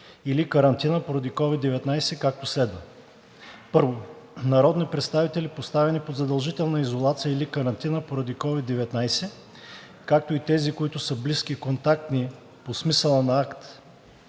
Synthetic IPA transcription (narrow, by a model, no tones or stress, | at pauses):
ilikɐɾɐnt̪inəpoɾɐd̪ikɔvid̪ːɛvɛt̪najsɛkak̚t̪oslɛd̪və | pɤɾvo | nɐɾɔd̪nipɾɛt̪st̪avit̪ɛlipost̪avɛnipod̪zɐd̪ɐlˠʒit̪ɛlˠnəizolˠat̪sijəilikɐɾɐnt̪inəpoɾɐd̪ikɔvid̪ːɛvɛt̪najsɛ | kak̚t̪oit̪ɛzikoit̪ʊsəbliskikont̪ak̚t̪ni | posmisəlˠənɐakt̪